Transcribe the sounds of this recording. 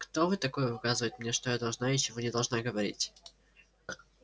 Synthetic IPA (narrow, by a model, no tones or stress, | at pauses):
kt̪ovɨt̪ɐko̞jəʊkazɨvəjɪt̪mnʲeʂt̪ojad̪ɐlˠʐnaɪt͡ɕɪvonʲɪd̪ɐlˠʐnaɡəvɐɾʲḭtʲ